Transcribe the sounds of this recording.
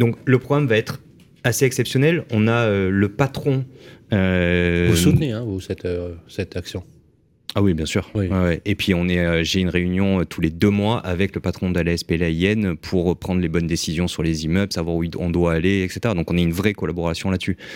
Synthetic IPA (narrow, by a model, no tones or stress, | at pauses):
d̪ɔ̃kləpχɔɡʁamvaɛt̪χ | aseɛksɛpsjɔnɛlɔ̃naøləpat̪χɔ̃øusut̪neɛ̃vusɛt̪øsɛt̪aksjɔ̃ | awibjɛ̃syːʁwiwɛwɛepɥiɔ̃nɛøʒeynʁeynjɔ̃øt̪ʰuled̪ømwaʔavɛkləpat̪χɔ̃d̪əlɛspelaɛnpʰuʁøpχɑ̃d̪ʁlebɔnd̪esizjɔ̃syʁlezimœblsavwaʁuiɔ̰̃d̪waːleɛkset̪eʁad̪ɔ̃kɔ̃naynvʁɛkɔlabɔʁasjɔ̃lat̪sy